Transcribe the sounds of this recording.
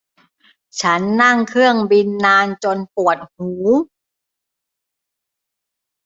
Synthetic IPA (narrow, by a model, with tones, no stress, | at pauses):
t͡ɕʰa˦˥nːa˥˩ŋkʰɯ˥˩əŋbi˧nːaː˧nt͡ɕo˧npu˨˩ət̪̚huː˩˦